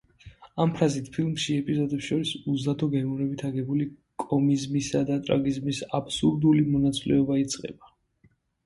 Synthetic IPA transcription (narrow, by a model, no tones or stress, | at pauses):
ampʰɾazit̪ʰpʰilˠmʃiɛpʼizɔd̪ɛpsʃɔɾisuzad̪ɔɡɛɔɾɛbit̪ʰaɡɛbulikʼɔmizmisad̪at̪ʼɾa̰ɡizmisapʰsuɾd̪ulimɔnat̪sʼlɛ̰ɔbait̪sʼqʼɛ̰ba